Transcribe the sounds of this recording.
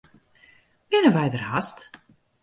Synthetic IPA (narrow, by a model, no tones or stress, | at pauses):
pɪnəʋɛjdərɦast